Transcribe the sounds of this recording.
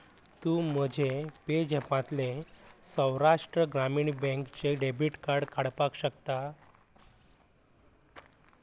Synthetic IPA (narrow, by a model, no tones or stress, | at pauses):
t̪uːm̤əd͡ʑʱeped͡ʑɛpãt̪lesə̃wɾaʂʈɾəɡɾamiːɳbɛ̃ŋkt͡ɕeɖebʱiʈkaɾɽkaɽpakɕəkt̪a